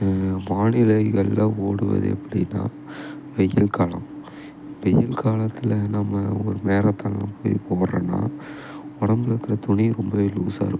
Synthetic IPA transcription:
ʋaːnɪlɐɪɣɐɭːɐoːɽɯʋɐ̰ðɯ̰ɛ̰pːɐɽɪḭnːa̰ː | ʋɛjɪlkaːlɐ̰̃m | ʋɛjɪlkaːlɐt̪ːɪlɐnɐmɐɔɾɯmeːɾɐt̪ːɐnɐpoːjpoːrɐ̰na̰ː | ɔɽɐmbɪlɐkːɪɾɐt̪ʊɳiɾɔmbɐʋeluːsaːɾɯ

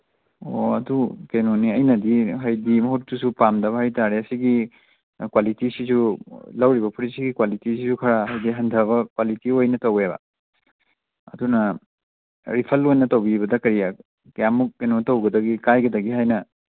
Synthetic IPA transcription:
oɐdukenoniɐjnɐdiɦɐjdimɐɦut̚tusupamdɐbɐhɐjtaɾeɐsiɡi | kwalitisisulɐwɾibɐpʰuɾisiɡikwalitisisukʰɐɾaɦɐjdiɦɐndʱɐβɐkwalitiojnɐtɐwebɐ̰ | ɐ̰dunɐ | ɾipʰɐlojnɐtɐwbibɐdɐkɐɾija | kjamːuk̚ːenotɐwɡɐdɐɡikajɡɐdɐɡiɦajnɐ

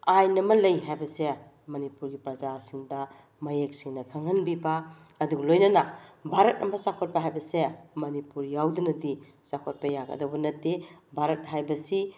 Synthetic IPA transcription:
ajnɐmɐlɐjɦajbɐse | mɐnipuɾɡipɾɐzasiŋdɐ | mɐjek̚siŋnɐkʰaŋɐnbibaː | duɡlojnɐnɐbʱaɾɐt̚ʔɐmɐsakʰot̚pɐɦajbɐsemɐnipuɾjawdunɐdisakʰot̚pɐjaɡɐ̰dobɐnɐtːebʱaɾɐt̚ɦajbɐsi

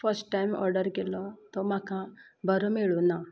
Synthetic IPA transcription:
fəɾsʈʈːajmɔ̰ɾɖəɾkelɔt̪ɔmãkʰã | bʱəɾɔmeɭona

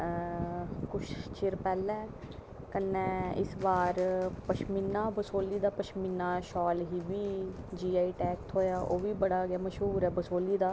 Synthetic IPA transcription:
kʊʃt͡ʃɪɾpɛːlɛ̃ː | kənːɛ̃ːɪ̰sbaːɾpəʃminːaːbəsoːliːd̪aːpəʃminːaːʃɔːlɦiːʋiː | d͡ʒiːaːiːʈɛːk̚t̪ʰɦoːjaːʔoːʋiːbəɽaːɡaːməʃɦuːɾɛːbəsoːliːd̪aː

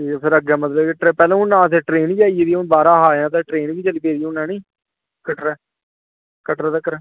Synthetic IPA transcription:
ʈiːpʰɪɾəɡɛːmət̪ləbeʈɾeːpɛːlãːʊnːãːəseːʈɾeːniːd͡ʒaːijeːd̪iːʊnbaːɾãːɦaːjãːt̪̬ɛ̃ːʈɾeːnʋiːt͡ʃəliːpeːɾiːʊnːɛ̃ːnĩː | kəʈɾɛː | kəʈɾɛːt̪aːkəɾɛː

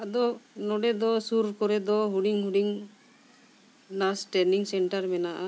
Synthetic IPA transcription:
ad̪ɔnɔɖɛd̪ɔsuɾkɔɾɛd̪ɔɦuɽiŋɦuɖiŋ | nasʈɛniŋsɛɳʈaɾmɛnaʔa

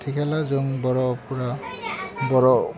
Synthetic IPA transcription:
tʰikʰɛlazoŋbɔɹɔpuɹa | bɔɹɔ

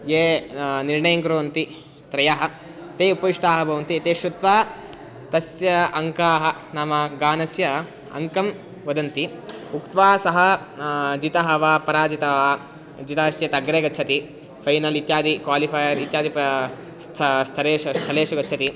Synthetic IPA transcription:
jeːniɾɳɐjɐŋkɾoːʋɐnt̪i | t̪ɾɐjaːɦɐ̆ | t̪eːupɐʋiʂʈaːɦɐbʱɐʋɐnt̪iɐt̪eːʃɾud̪ʋaː | t̪ɐsjɐɐŋkaːɦɐ̆naːmɐɡaːnɐsjɐ | ɐ̰ŋkɐm | ʋɐd̪ɐnt̪iukt̪ʋaːsɐɦɐ | d͡ʒit̪ɐɦɐʋaːpɐɾaːd͡ʒit̪ɐʋaː | d͡ʒit̪aːʃjɐt̪ɐɡɾeːɡɐtːt͡ʃʰɐt̪i | pʰɐjnɐlit̪jaːd̪ʱikʋaːlipʰaːjɐɾit̪jaːd̪ip | st̪ʰɐst̪ʰɐɾeːst̪ʰɐleːʃuɡɐtːt͡ʃʰɐt̪i

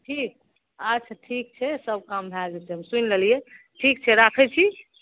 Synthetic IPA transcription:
ʈʰik̚ | at͡ʃʰʈʰik̚t͡ʃʰɛsəb̚kambʱaɡɛt͡ʃʰɛɦəmsunlelije | ʈʰik̚t͡ʃʰɛɾakʰɛt͡ʃʰi

